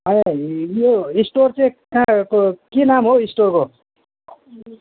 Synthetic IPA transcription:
ɦʌjjoisʈort͡saĩkãkokenamɦoisʈorko

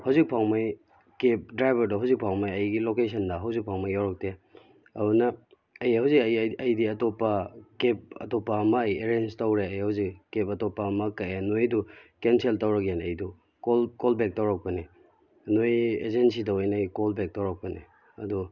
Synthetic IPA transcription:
hawzik̚pʰawmaj | kep̚dɾajbɐɾdɐɦawzik̚pʰawmajɐjɡilokesʰɐndɐɦawzik̚pʰawmajawɾɐk̚te | ɐunɐː | jhawzikɐjɐjdiɐtopːɐkep̚ɐ̰topːaːmɐːjeɾenstɐwɾeɐjhawzikkːepɐtopːamɐkːaenojdukenseltɐwɾɐkanɐjdu | kolkolbek̚tawɾak̚pɐni | nojḛzensidɐojnɐːjkolbek̚tawɾak̚pɐni | ɐdu

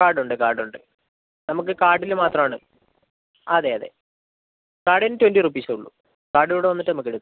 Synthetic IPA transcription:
kaːɽuɳɖɨkaːɽuɳɖɨ | nɐmukːɨkaːɽilmaːt̪rɐmaːɳɨ̰ | ɐðeɐðe̞̰ | kaːɖinːɨtːwendirupːiːsɐuɭːṵ | kaːɖɨjoːɽeʋɐnːiʈːɨnɐmukːeɽut̪ːu

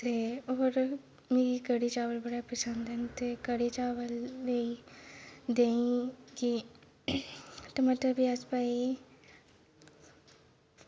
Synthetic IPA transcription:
t̪eoːɾ | meːɾikəɽit͡ʃaːʋəlbɐɽapəsə̃nd̪ɛnt̪ekəɽit͡ʃaːʋəlːei | d̪eĩki | ʈəmaʈəbiaspaːi

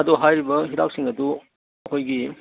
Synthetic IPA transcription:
ɐduɦajɾibɐɦiɾak̚siŋɐdu | ɐkʰojɡi

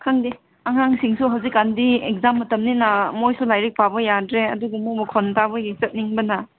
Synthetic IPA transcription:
kʰaŋdi | aŋɦaŋsiŋsuɦɐwzikːandiek̚zamːɐtɐmninamojsulajɾik̚pʰabɐjadɾeɐduɡumubɐkʰɔntabɐɡisɐt̚niŋbɐnɐ

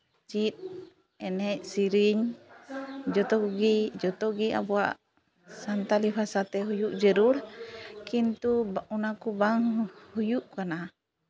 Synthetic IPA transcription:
t͡ʃit̪̚ | ɛnɛcsiɾiɲ | d͡ʒɔt̪ɔɡid͡ʒɔt̪ɔɡia̰buaʔ | sant̪alipasat̪ɛɦujuʔd͡ʒəɾuɽkint̪uunakubaŋhujuʔkana

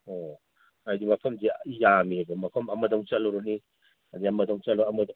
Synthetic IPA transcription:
o | ajdimɐpʰɐmsijamiabɐmɐpʰɐmɐmɐdɔŋt͡ʃɐloɾɔni | ɐd̪iɐmɐdɔŋt͡ʃɐlɔɐmɐd

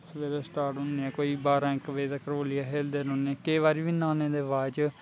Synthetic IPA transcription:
sʋeːɾeːsʈaːɾʈɦʊnːeːɛ̃ːkoːiːbaːɾãːɪkʋeːd̪akəɾoːliaːɦeːld̪eːɾõneɛːkeːʋaːɾiːʋiːnãːneːd̪eːʋaːd͡ʒ

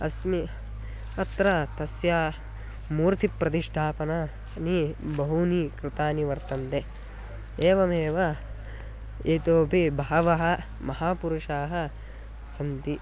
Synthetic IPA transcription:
ɐsmi | ɐt̪ɾat̪ɐsjaː | muːɾt̪ʰipɾɐt̪̬iʂʈʰaːpɐna | nibɐɦunikɾɪt̪aːniʋɐɾt̪ɐnt̪e | eːʋɐmeːʋɐ | eːt̪oːbʱibʱaːʋɐɦɐ̆ | mɐɦaːpuɾuʂaːɦɐ̆ | sɐnt̪i

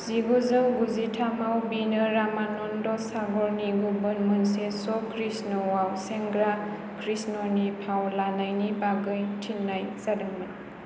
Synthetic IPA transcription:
z̥iɡɔzɯwɡuzitʰamawbinɯɾamanɔndɔsaɡɔɾniɡubɯnmɯnsesɔkʰɾisnɔwawseŋɡɾa | kʰɾisnɔnipʰawlanajnibaɡɯjtʰinːajsadɯŋmɯn

